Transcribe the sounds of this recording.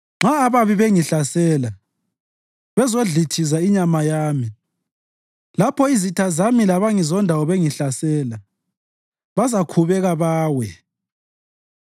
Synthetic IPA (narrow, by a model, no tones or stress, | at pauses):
ŋ͡ǁaːβaβiβeŋiɬasɛːla | βɛzoɮitʰizaiɲamajaːmi | lapʰɔizitʰazamilaβaŋizɔndʱawɔβeŋiɬasɛːla | βazakʰuβɛɣaβaːwɛ